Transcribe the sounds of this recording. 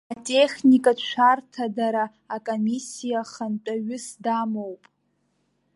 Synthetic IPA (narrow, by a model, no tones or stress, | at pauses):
atʼe̞χʲnikʼat͡ʃʷʰartʰadaɾaː | kʼomisijaχantʼaɥʏsdamowpʼ